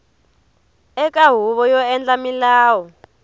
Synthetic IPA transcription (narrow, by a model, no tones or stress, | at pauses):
ɛkʼaɦuβɔjɔɛnd͡ɮamilaːwɔ